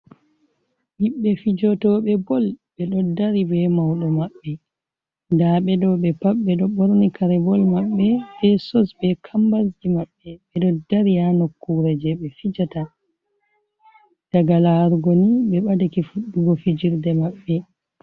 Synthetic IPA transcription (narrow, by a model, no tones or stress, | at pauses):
ɓiɓːɛfid͡ʒɔtɔɓɛbɔlɓɛɗɔdaɾibɛmawɗɔmaɓːɛ | ndaɓɛdɔɓɛpaɓːɛɗɔɓɔɾnikʰaɾɛbɔlmaɓːɛbɛsɔsbɛkʰambasd͡ʒimaɓːɛɓɛɗɔdaɾianokːuɾɛd͡ʒɛɓɛfid͡ʒata | d̥aɡalaɾɡoniɓɛɓadakifuɗːuɡɔfid͡ʒiɾdɛmaɓːɛ